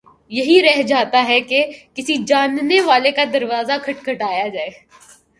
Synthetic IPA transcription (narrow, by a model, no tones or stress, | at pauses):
jɐɦiɾɛɦd͡ʒaːt̪aɦɛkekɪsid͡ʒaːnneʋaːlekad̪ɐɾʋaːzakʰɐʈkʰɐʈaːjad͡ʒaːeː